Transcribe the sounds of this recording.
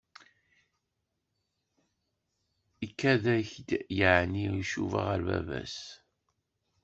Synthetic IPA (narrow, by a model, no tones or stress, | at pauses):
ikːæðæçd̪jəʕniiʃuva̰ʁəɾvæ̰væ̰s